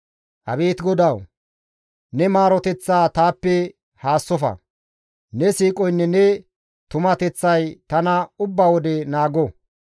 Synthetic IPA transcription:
ʔɐ̰beːt̪ɡɔd̪ɐw | nɛmaːɾɔt̪ɛt͡sːaːt̪aːpːɛ | haːsːɔfɐ̰ | nɛsiːkʼɔjnːɛnɛ | t̪ʊmɐt̪ɛt͡sːɐjt̪ɐnɐʊbːawɔd̪ɛnaːɡɔ

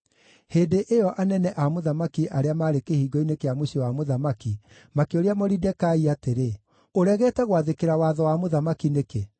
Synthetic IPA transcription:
heːdeʔeɔʔanɛnɛʔamoðamakiʔaɾeamaːɾekehiːɡɔinekeamoɕewamoðamaki | makeoɾeamɔɾidɛkaiateɾe | oɾɛɣɛtɛɣwaðekeɾawaðɔwamoðamakineke

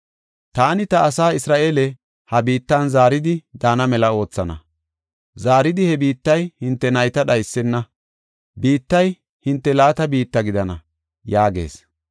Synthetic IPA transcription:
t̪aːnɪt̪ɐːsaːɪsɾaːʔeːlɛ | hɐbiːt̪ːɐnzaːɾɪd̪ɪd̪aːnɐmɛlɐo̞ːt͡sːɐnɐ̰ | zaːɾɪd̪ɪhɛbiːt̪ːɐjhɪnt̪ːɛnɐjt̪ɐɗɐjsːɛnːɐ | biːt̪ːɐj | hɪnt̪ːɛlaːt̪ɐbiːt̪ːɐɡɪd̪ɐnɐ̰ | jaːɡe̞̰ːs

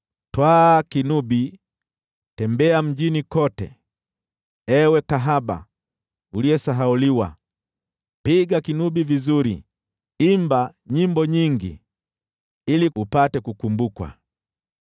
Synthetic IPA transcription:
twakinubi | tɛmbɛam̩ʄinikɔtɛ̰ | ɛwɛkaɦaɓa̰ | uliɛsaɦauliwa̰ | piɡakinuɓivizuɾḭ | imbaɲimbɔɲiŋɡḭ | iliupatɛkukumbukwa̰

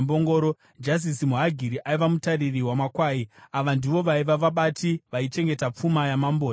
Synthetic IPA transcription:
mboŋɡoːɾo | d͡ʒas̬isimuɦaɡʱiɾiʔaiʋamutaririɦwamakwaːiaʋandiʋo̞ʋaiʋaʋaɓatiʋait͡ʃe̞ŋɡe̞tap͡fumajamamboː

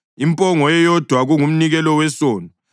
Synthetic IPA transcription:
impʼɔŋɔjɛjɔd̥ʱwaɣuŋum̩niɣɛlɔwɛsoːni

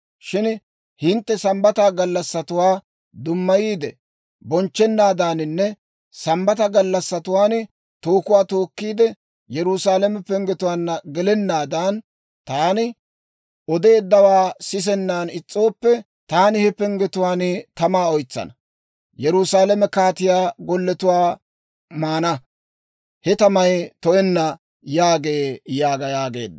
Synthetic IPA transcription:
ʃɪn | hɪnt̪ːɛsɐmbɐt̪aːɡɐlːɐsːɐt̪ʊwaː | d̪ʊmːɐjiːd̪ɛ | bɔnt͡ʃːɛnːaːd̪aːnɪnːɛ | sɐmbɐt̪ɐɡɐlːɐsːɐt̪ʊwaːn | t̪oːkʊwaːt̪o̞ːkːiːd̪ɛ | jɛɾusaːlɛmɛpɛŋɡɛt̪ʊwaːnːɐɡɛlɛnːaːd̪aːn | t̪aːnɪ | ɔd̪e̞ːd̪ːɐwaːsɪs̬ɛnːaːnɪt͡sʼːo̞ːpːɛ | t̪aːnɪhɛpɛŋɡɛt̪ʊwaːnt̪ɐmaːɔjt͡sːɐ̰nɐ | jɛɾʊsaːlɛmɛkaːt̪ɪjaːɡɔlːɛt̪ʊwaː | maːnɐ | hɛt̪ɐmɐjt̪ɔʔɛnːɐ | jaːɡe̞ːjaːɡɐjaːɡe̞̰ːd̪ː

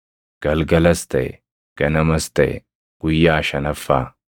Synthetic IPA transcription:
ɡ̥ɐlɡɐlɐst̪ɐ̰ɛ̰ | ɡ̥ɐnɐmɐst̪ɐɛ̰ | ɡ̥ʊjːaːʃɐnɐfːaː

